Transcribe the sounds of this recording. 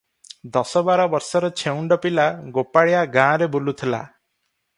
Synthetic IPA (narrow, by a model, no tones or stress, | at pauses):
d̪ɔsɔbaɾɔbɔɾsɔɾɔt͡ʃʰeuɳɖɔpilaɡopaɭijaɡãɾebulut̪ʰila̰